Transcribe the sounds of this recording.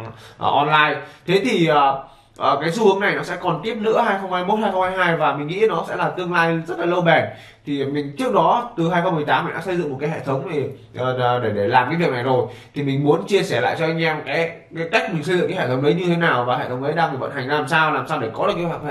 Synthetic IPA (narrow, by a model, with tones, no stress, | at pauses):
ʔːʔɔ˧nlaː˧jt̪ʰe˨˦t̪ʰi˨˩ʔəː˨˩ | ʔəː˨˩kaː˨˦jsu˧hɨ˨˦əŋna˨˩jnɔ˨˦sɛ̰˧˥kɔ˨˩nt̪i˦˥əp̚nɨ̰˧˥əɦaː˧jxə˧wŋ͡mhaː˧jmo˦˥t̚haː˧jxwŋ͡mhaː˧jɦaː˧jvaː˨˩mï˨˩ŋ̟ŋḭ˧˥nɔ˨˦sɛ̰˧˥laː˨˩t̪ɨ˧əŋlaː˧jzə˦˥t̚la˨˩lə˧wɓɛ˨˩n | t̪ʰi˨˩mï˨˩ŋ̟t͡ɕɨ˦˥ək̚ɗɔ˨˦t̪ɨ˨˩ɦaː˧jxə˧wŋ͡mmɨ˨˩əjt̪aː˨˦mːi˨˩ɗa̰ː˧˥sə˧jzɨ̰˧˨ŋ͡mo˨˩t̚kaː˨˦jhḛ˧˨t̪ʰə˨˦wŋ͡mɗe˧˩ | ʔəː˨˩˨ɗe˧˩ɗe˧˩laː˨˩mkaː˨˦vi˨˩əna˨˩jzo˨˩jt̪ʰi˨˩mï˨˩ŋ̟mu˨˦ənt͡ɕi˧əsɛː˧˩la̰ː˧˨jt͡ɕɔ˧ʔa˧ŋ̟ʔɛ˧mkaː˨˦jkaː˨˦jka˦˥k̚mi˨˩ŋ̟sə˧jzɨ̰˧˨ŋkːa˨˦hḛ˧˨˩tʰə˨˦wŋ͡mʔə˨˦jɲɨ˧t̪ʰe˨˦naː˨˩wvaː˨˩ḛ˧˨t̪ʰə˨˦wŋ͡mzə˨˦jɗa˧ŋt̪ʰi˨˩və̰˧˨nha˨˩jŋ̟laː˨˩msaː˧wlaː˨˩msaː˧wɗe˧˩kɔ˨˦lɨ˨˩kə˨˧wa˧˩˧